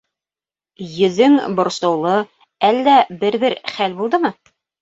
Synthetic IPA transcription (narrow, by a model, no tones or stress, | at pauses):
jɵ̆ðɘŋbŏɾsɤ̆wlˠɤ | ælːæbɘɾbɘɾχælbulˠd̪ɤmɤ